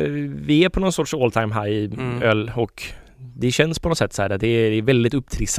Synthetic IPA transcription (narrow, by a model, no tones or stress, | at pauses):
vɪæɾpʰɔnɔnsɔʈʂoːlt̪ʰaɪmɦæɾɪœlːɔk | d̪ɛɕɛnspʰɔnɔsɛt̪ːshæːɾɛd̪ɛd̪ɛɛɾvɛld̪ɪt̪ɵpːt̪ʰɾɪs